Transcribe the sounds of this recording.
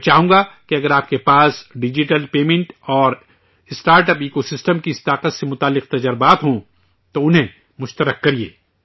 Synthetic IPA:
t͡ʃaːɦũːŋɡakeɐɡəɾaːp̚kepaːsɖɪd͡ʒɪʈəlpeːmẽɳʈɔːɾ | ɪsʈaːɾʈəpiːkosɪsʈəmkiɪst̪aːqət̪semʊt̪aːlːɪq̚t̪ɐd͡ʒəɾbaːt̪ɦõ | t̪oʊnɦẽ | mʊʃt̪əɾəqːɐɾiḛː

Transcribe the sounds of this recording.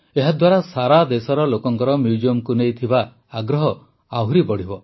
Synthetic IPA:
eɦad̪waɾasaɾad̪esɔɾɔlokɔŋkɔɾɔmjud͡ʒiɔmkunejt̪ʰibaː | ɡɾɔɦɔ | aɦɾibɔɽ̤ibɔ

